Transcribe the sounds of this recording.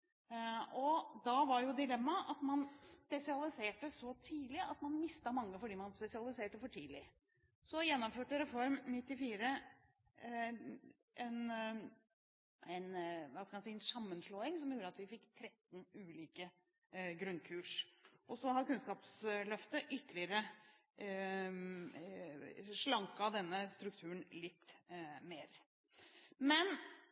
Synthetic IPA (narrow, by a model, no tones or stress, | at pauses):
ɔd̪ɑʋɑɾjʊd̪ɪlɛmːɑʔɑt̪mɑnspɛsɪɑlˠɪseːʈəsɔt̪ʰiːlɪɑt̪mɑnmɪst̪ɑmɑŋːəfɔɖiːmɑnspɛsɪɑlˠɪseːʈəfɔʈʰiːlɪ | sɔjɛnːɔmføːʈəɾɛfɔɾmnɪt̪ːɪfiːɾə | ʔɛn | ɛnʋɑskɑmɑnsiːɛnsɑmːənʂloːɪŋsɔmjuːɾəɑt̪ʋɪfɪkːt̪ʰɾɛt̪nʉːliːkə | ɡɾʉnkʰʉːʂʔɔsɔhɑɾkʉnskɑːpslœft̪əʔʏt̪ːlɪəɾə | ʂɭɑŋkɑd̪ɛnːəst̪ɾʉk̚t̪ʰʉːəɳlɪt̪ːmeːɾ | mɛn